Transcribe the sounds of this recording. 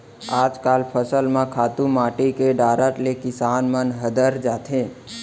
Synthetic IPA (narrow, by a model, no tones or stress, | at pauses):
aːd͡ʒkalpʰəsəlmãkʰaːt̪ũmaʈikeɖaːɾəʈlekɪsanmənɦəd̪əɾd͡ʒaːt̪ʰẽ